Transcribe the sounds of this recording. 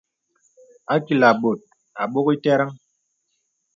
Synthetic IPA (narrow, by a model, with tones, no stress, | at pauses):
a˦ki˨la˨ɓo˨t̚ | a˨ɓo˦ki˦tɛ˦ɾa˦ŋ